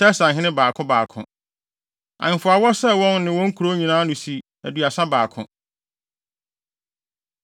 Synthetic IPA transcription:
tʰɛ˦sã˨ɦɪ̃˦nɪ̃˦baː˨kʰʊ̃˦baː˨kʰʊ̰̃˨ | ã̰˨ŋ˨fʊ˨a˨wɔ˦sɛ˦wɔ̃˦nːɪ̃˨wɔ̃˦ŋ̩˦kʰu˨ɾo˦ɲĩ˨nãː˦nʊ̃˨si˨ | æ˨dɥa˨sã˦baː˨kʰʊ̰̃˨

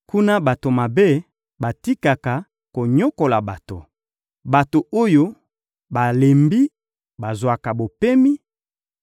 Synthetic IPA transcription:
ku˦na˦ba˨to˨ma˨be˦ | ba˨ti˦ka˨ka˨ | ko˨ɲo˦ko˨la˨ba˨to̰˨ | ba˨to˨o˦jo˦ | ba˨le˨mbi˦ | ba˨zwa˨ka˨bo˨pe˦mi˦

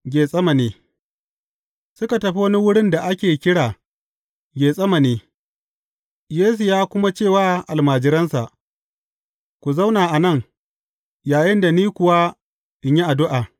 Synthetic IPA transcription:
ɡʲeː˨sʼɐ˦ma˨neː˨ | sʊ˦ka˨tɐ˨ɸi˦wɐ˦ni˦wʊ˦ɽɪ˦nda˨ʔa˦kʲeː˨kʲɪ˦ɽaː˨ | ɡʲeː˨sʼɐ˦ma˨neː˨ | jeː˦s̬u˨jaː˦kʷʊ˦ma˦t͡ʃeː˦˨waː˦ʔa˨lmaː˨d͡ʒɪ˦ɾɐ˦nsa˨ʔ | kʷu˨za˦wnaː˨ʔa˨nɐ˦˨ŋ | jaː˨jɪ˦nda˨niː˦kʷʊ˨wa˦ | ʔɪ˨ɲji˦ʔa˨dʊ˦ʔaː˨

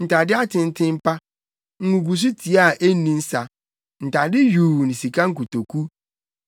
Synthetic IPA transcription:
n̩˨tʰa˨dɪ˦a˦tʰɪ̃˦˨n˦tʰɪ̃˦m̩˦pʰa˦ | ŋ̩˨ŋũ˨ɡu˨s̬u˦tʰi˨a˦˨ʔe˦nĩ˦n̩˦sa˨ | n̩˨tʰa˨dɪ˦ju˨nĩ˨si˨kʰã˦ŋ̩˦ku˨tʰo˨kʰu˦

